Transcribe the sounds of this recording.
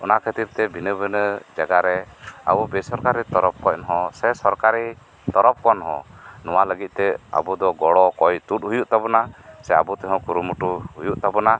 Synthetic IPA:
ɔnakʰət̪iɾt̪ɛbʱinəbənəd͡ʒaɡaɾɛa̰bubɛsɔɾkaɾit̪ɔɾɔp̚kɔc̚nɔɦɔ̃sɛsɔɾkaɾi | t̪ɔɾɔp̚kɔnɔɦɔ̰̃nɔwaləɡit̪̚t̪ɛa̰bud̪ɔɡɔɽɔkɔjt̪ut̪̚ɦujuʔt̪abɔnasɛabut̪ɛɦɔ̃kuɾumuʈuɦujuʔt̪abɔna

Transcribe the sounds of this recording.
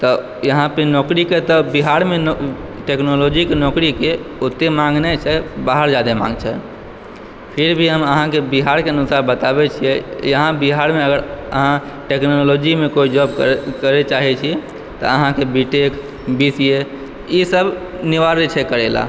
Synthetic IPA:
t̪ɔ | jəɦãpenɔkɾiket̪ɔbiɦaɾmenʈeknolod͡ʒikenɔkɾikeot̪ːemãŋɡnɛt͡ʃʰɛbaɦəɾd͡ʒad̪emã̰ŋɡt͡ʃʰɛ | pʰiɾbʱiɦəməɦãkebiɦaɾkeənusaɾbət̪abɛt͡ʃʰijɛjəɦãbiɦaɾmeəɡəɾəɦãʈeknolod͡ʒimekoid͡ʒɔbkkəɾɛt͡ʃaɦɛt͡ʃʰi | t̪ɔ̰əɦãkebiʈek | bisije | isəb | niʋaɾet͡ʃʰɛkəɾɛla̰

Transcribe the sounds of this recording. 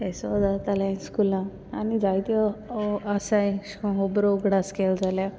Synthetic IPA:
esɔd͡zat̪alãskulã | anid͡zajt̪ɔ | asajɦobɾoɡɽaskeld͡zalja

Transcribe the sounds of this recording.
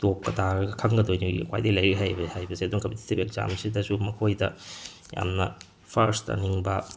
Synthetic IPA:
top̚kɐtʰaɾɐɡɐkʰɐŋɡɐdojnuɡḭkwa̰jdɐjlɐjɾiɦajbɐhajbɐseɐdunɐkɐmbitʰi̥tʰipek̚za̰msidɐsumɐkʰojdɐ | ja̰mnɐ | pʰɐɾstɐ̰niŋbɐ

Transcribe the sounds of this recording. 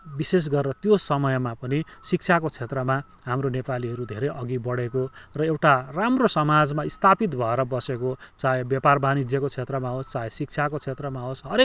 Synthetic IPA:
bises̬ɡʌrrʌt̪josʌmʌjmapʌnisik̚t͡sʰakot͡sʰet̪rʌma | ɦamronepaliɦʌɾud̪ʱḛɾʌjʔʌɡibʌɽekorʌewʈaramrosʌmad͡zmaist̪ʰapit̪bʱʌeɾʌbʌsekot͡saɦebjʌparbʱanid͡zjʌkot͡sʰet̪rʌmaɦost͡saɦesik̚t͡sʰakot͡sʰet̪rʌmaɦosɦʌɾek̚

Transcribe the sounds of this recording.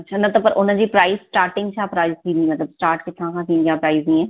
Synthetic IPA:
ɐtːʃʰad̪at̪apəɾʔʊnãːd͡ʒiːpɾaːizsʈaːɾʈɪ̃ŋɡt͡ʃʰaːpɾaːizk̪iːd̪iːmət̪ləbsʈaːɾʈkɪt̪ʰːãːkãːt̪ĩjãːpɾaːiznĩːɛː

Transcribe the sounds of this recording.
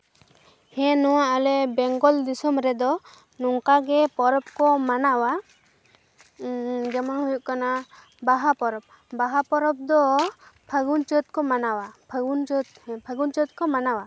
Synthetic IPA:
hɛ̃nɔwaʔalɛbɛŋɡɔld̪isɔmɾɛd̪ɔ | nɔŋkaɡɛpɔɾɔp̚kɔmanawa | d͡ʒɛmɔnhujuʔkana | baɦapɔɾɔb̚ | baɦapɔɾɔp̚d̪ɔpʰəɡunt͡ʃət̪̚kɔmanawapʰəɡunt͡ʃɔt̪̚pʰəɡunt͡ʃət̪̚kɔmanawa

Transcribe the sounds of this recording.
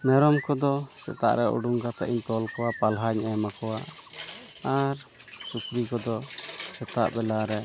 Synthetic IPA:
mɛɾɔmkɔd̪ɔsɛ̰t̪a̰ʔɾɛʔṵɖuŋɡat̪aʔiɲt̪ɔlkɔwapalɦaɲɛmakɔwa | aɾ | sukɾikɔd̪ɔsɛt̪a̰ʔbɛlaɾɛ

